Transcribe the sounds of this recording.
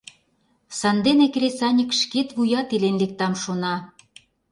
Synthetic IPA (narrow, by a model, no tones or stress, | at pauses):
sɑnd̪enekɾʲesɑnʲəkʃket̪βujɑt̪elenlek̚t̪ɑmʃonɑ